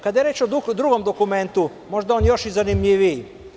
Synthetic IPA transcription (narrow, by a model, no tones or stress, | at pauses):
kad̪jeɾeːt͡ʃoud̪ɾuɡo̞md̪okume̞nt̪u | mo̞ʒd̪aonjo̞ʃizanimʎiʋi